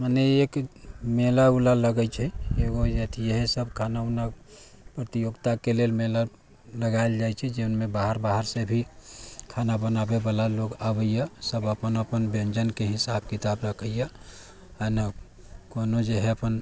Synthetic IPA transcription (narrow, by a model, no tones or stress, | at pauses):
maneekmelaulaləɡət͡ʃʰɛeɡojet̪ʰijəɦɛsəbkʰanauna | pɾət̪ijoɡt̪akelelmela | ləɡaeld͡ʒajt͡ʃʰɛd͡ʒeʊnmẽbaɦəɾbaɦəɾsebʱikʰanabənabebalaloɡabəjasəbəpənəpənbẽnd͡ʒənkeɦɪsabkit̪abɾəkʰəja | anə | konod͡ʒeɦɛəpən